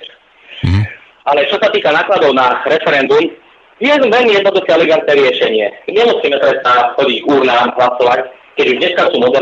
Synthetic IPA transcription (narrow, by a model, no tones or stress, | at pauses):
alɛt͡ʃɔsat̪iːkanaːklad̪ɔʊnaːɾɛfɛɾɛnd̪um | ɪɛzʋɛlmijɛd̪nɔd̪uxɛɛlɛɡant̪nɛːɾɪɛʃɛɲɪɛɲɛmusiːmɛpɾɛst̪axɔɟiɟɡuːɾnaːmɦlasɔʋac | kɛɟuʒdɲɛskasuːmɔd̪ɛɾ